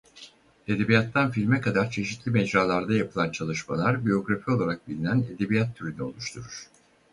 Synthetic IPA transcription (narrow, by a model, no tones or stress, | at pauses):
e̞d̪e̞bijat̪ʰːanfilʲmɛkad̪aɾt͡ʃʰe̞ʃit̪ʰlʲimed͡ʒɾaːlˠaɾd̪ajapʰɯlˠant͡ʃʰalˠɯʃmalˠaɾbijo̞ɡɾafio̞lˠaɾak̚bilʲinæne̞d̪e̞bijat̪ʰːyɾynyo̞̰lˠuʃt̪ʰuɾuɾ̥